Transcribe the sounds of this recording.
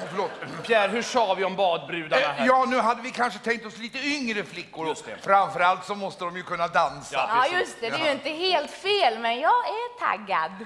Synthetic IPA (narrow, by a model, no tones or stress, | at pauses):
fœɭoːt̪fjæːɾhɵʂɑːvɪɔmbɑːd̪̚bɾʉ̟ːd̪ajɑːnʉ̟ːɦad̪ːəvɪkʰanʂət̪ʰɛŋk̚t̪ɔsliːt̪əʏŋɾəflɪkːʊɾɔfɾamfœɾalt̪sɔmɔst̪əd̪ɔmjɵkʰɵnːad̪ansajɵst̪ɛd̪ɛjɪnt̪əheːlt̪feːlmɛnjɑːɡæʈʰa̰ɡːa̰d̪